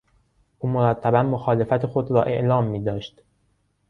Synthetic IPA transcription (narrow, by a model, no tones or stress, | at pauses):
ʔuːmoɾæt̪ʰːæbænmoxɒːle̞fæt̪ʰexo̞d̪ɾɒːʔe̞̰ʔlɒːmːiːd̪ɒːʃt̪